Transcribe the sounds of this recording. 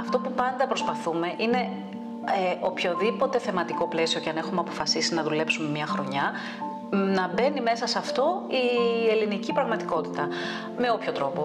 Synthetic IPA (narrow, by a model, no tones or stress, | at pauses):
ɐft̪o̞pupɐnd̪ɐpɾospɐθume̞ʔine̞ | eʔo̞pço̞ðipo̞t̪e̞θe̞mɐt̪iko̞ple̞sio̞ceɐne̞xumeɐpo̞fɐsisinɐðule̞psume̞mɲɐxɾo̞ɲɐ | nɐbe̞nime̞sɐsɐft̪o̞ie̞linicipɾɐɣmɐt̪iko̞t̪i̥t̪ɐ | me̞o̞pço̞t̪ɾo̞po